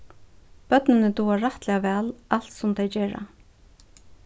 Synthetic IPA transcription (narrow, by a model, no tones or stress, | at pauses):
b̥œt̪nɪnɪt̪uaɹaht̪lɛavɛːlal̥t̪sʊmt̪ʰajd͡ʒɛːɾa̰